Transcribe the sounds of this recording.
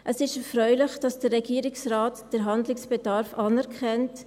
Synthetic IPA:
ʔəsɪʃɛfɾœʏlɪχd̥ɑsd̥əɾːɛɡiːɾɪksɾaːtd̥əɾɦɑndlɪksb̥ɛdɑɾfɑnɛɾkʰɛnt

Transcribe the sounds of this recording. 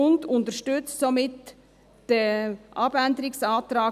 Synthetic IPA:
ʊndʊntəʃtʏt͡ssomɪt | d̥əʔɑbændəɾɪksɑːt̪ɾɑː

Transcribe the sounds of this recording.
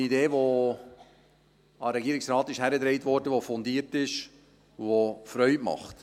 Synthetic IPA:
ideːʋo | ɑɾɛɡiəɾɪksɾɑːt̪ɪʃhæɾəd̪ɾɛɪtʋɔɾdəʋofɔndiːɾtɪʃ | vofɾœʏmɑ̰χt

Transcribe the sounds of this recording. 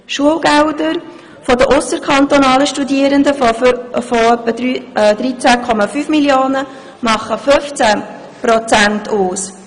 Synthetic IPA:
ʃuəlɡɛwd̪əɾ | fɔd̪əʔʊsəɾkʰɑnt̪ɔnɑːləʃtudiəɾənd̪əfofoœpːədd̥̪ɾit͡sækʰɔmɑfyːfmiljoːnə | mɑχəfɵft͡sæ | pɾɔt͡sæntʰuːs

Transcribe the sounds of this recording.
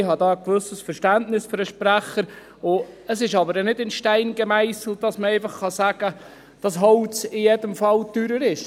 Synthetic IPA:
ɪhɑdɑːəkʋɵsəsfəɾʃtæntnɪsføɾəʃpɾæχəɾ | ʊəsɪʃɑbəɾənɪdɪnʃtæɪnɡəmæɪsl̩d̥ɑsməɛɪfɑχχɑsæːɡ̥ə | d̥ɑsɦɔlt͡sɪjɛdəmfɑltyːɾəɾɪʃ

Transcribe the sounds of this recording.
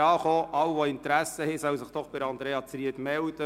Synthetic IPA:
ɑːχoːʔɑwvoɪntɾæsəhɛsœwsəχd̪̥ɔχb̥ɪɾɑnd̪ɾeːɑt͡sɾiəd̪mɛld̥ə

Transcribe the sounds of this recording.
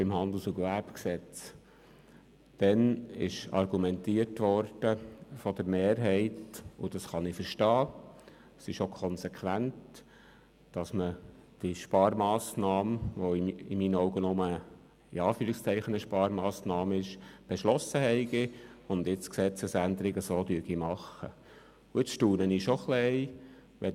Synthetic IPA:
bɪmhɑnd̪l̩suɡʋæɾpksɛt͡s | d̥ɛnɪʃɑ̰rɡumɛntiːərtʋɔɾd̥əfɔd̥əɾmeːɾɦɛɪtʊ̰d̥ɑsχɑnɪfəɾʃtɑː | sɪʃokʰɔnsɛkʰʋænt | d̥ɑsməd̥iʃpɑːɾmɑːsnɑːmʋoɪɪ̰miːnɔwɡənɔmə | ɪ̰ɑːfyːɾɪkst͡sɛɪχənəʃpɑːɾmɑːsnɑːmɪʃb̥ɛʃlɔsːəɦɛɪɡɪʊnd̪ɪt͡sksɛt͡səsænd̪əɾɪɡəsoːd̪yəɡimɑχə̰ | ʊɪt͡sʃtuːnəniʃoχlɛɪ | ʋɛ

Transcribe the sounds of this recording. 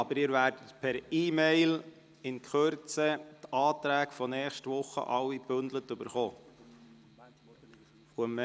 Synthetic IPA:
ɑbəɾɪːɾʋæːɾdətpʰɛɾiːmeɪl | ɪnkχøɾt͡sətɑːt̪ɾæːkfɔnɛːχʃtʋʊχə̰ʔɑwːib̥ɵnd̪lətɵbəɾχoː | uəmə

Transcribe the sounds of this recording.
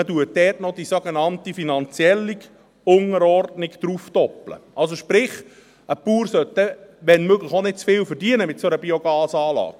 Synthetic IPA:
ətuət̚dɛːtnɔd̥isoɡenɑntifinɑnt͡siɛlːi | ʊŋəɾɔrdnɪɡd̥̪ɾufd̥̪ɔplə̰ʔɑls̬oʃpɾɪχ | əpuːɾsœtːɛʋɛnmøɡləχonɪt̚t͡sfɪːlfəɾdiənəmɪtsoɾəbioɡɑːsɑːlɑ̰ːɡ̥

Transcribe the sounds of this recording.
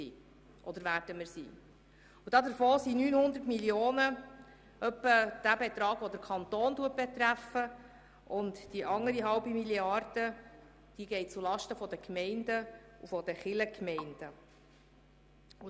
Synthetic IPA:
sḭː | ʔɔd̪əɾʋæːɾdəməɾsḭː | ud̥ɑːd̪əɾfoːsinyːnhʊnd̪ərtmiljoːnə | œpːəd̥æbet̪ɾɑːɡʋɔd̪əɾkʰɑnt̪oːnduət̚b̥ɛt̪ɾæfə | ʔʊntd̥iʔɑŋːəɾiɦɑwbimiliɑrd̥ə | d̥iɡɛɪt͡sulɑʃtəfɔd̪əkmɛɪndə | ufɔd̥əχɪləkmɛɪnd̥ə | u

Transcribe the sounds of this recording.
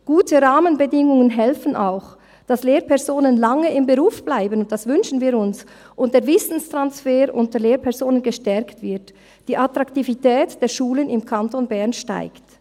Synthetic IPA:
ɡ̥uːtʰəʁaːmənbədɪŋʊŋənɦɛlfn̩ʔa̰ʊx | d̥asleːɾpʰɛʁzoːnənlaŋəɪmbəʁuːfb̥laɪbənʊnt̚d̥asvʏnʃn̩viːɾʊns | ʔʊnt̚d̥eːɐvɪsn̩stʁ̥ansfeːɾʔʊ̰ntəleːɾpʰɛʁzoːnənɡəʃtɛɐktv̥ɪɐt | d̥iːʔatʁaktivitʰɛːtd̥eːɐʃuːlənɪmkʰantonbɛʁnʃta̰ɪkt

